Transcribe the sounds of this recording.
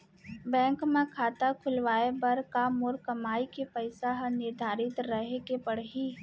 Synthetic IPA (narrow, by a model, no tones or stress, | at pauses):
bɛ̃ːŋkmẽkʰaːt̪akʰʊlʋaːebɐɾkamoɾkɐmaːikepəɪsaɦɐnɪɾd̪ʱaːɾɪt̪ɾəɦekepɐɽɦiː